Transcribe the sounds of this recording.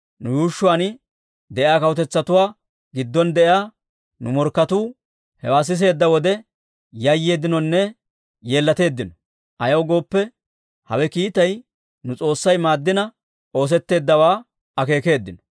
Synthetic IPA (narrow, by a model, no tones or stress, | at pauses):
nʊjuːʃːʊwaːnɪ | d̪ɛʔɪaːkɐwt̪ɛt͡sːɐt̪ʊwaː | ɡɪd̪ːɔnd̪ɛʔɪjaː | nʊmɔɾkːɐt̪uː | hɛwaːs̬ɪs̬e̞ːd̪ːɐwɔd̪ɛ | jɐjːeːd̪ɪnɔnːɛ | je̞ːlːɐt̪e̞ːd̪ːɪnɔ | ʔɐjɐwɡo̞ːpːɛ | hɐ̰wɛkiːt̪ɐj | nʊt͡sʼo̞ːsːɐjmaːd̪ːɪnɐ | ʔo̞ːs̬ɛt̪ːe̞ːd̪ːɐwaː | ɐke̞ːke̞ːd̪ːɪnɔ̥